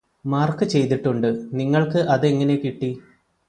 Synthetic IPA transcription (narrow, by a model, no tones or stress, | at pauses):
maːrkɨt͡ɕe̞jt̪iʈːuɳɖɨniŋːɐɭkɨʔɐðeŋːɐne̞kiʈːi